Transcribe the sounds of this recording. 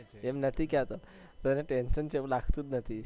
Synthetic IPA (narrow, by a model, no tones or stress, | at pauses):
ɛmnət̪ʰikat̪ə | t̪əɾnaʈɛnɕənt͡ɕeʋlaɡt̪uːt̪nət̪ʰi